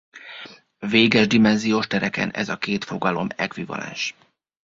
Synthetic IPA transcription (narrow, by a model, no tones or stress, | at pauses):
veːɡɛʒd̪imɛnzijoːʃt̪ɛɾɛkɛ̰nɛ̰zɒkeːt̪fo̞ɡɒlo̞mɛkʋivɒ̰lɛ̰nʃ